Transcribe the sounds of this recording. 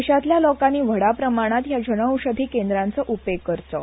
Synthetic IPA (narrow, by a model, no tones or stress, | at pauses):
ɕat̪ljalɔkaniːʋəɽapɾəmaɽ̃at̪jad͡ʑənəwɕəd̪ʱiːkend̪ɾant͡səʔupekkːəɾt̪ɔ̰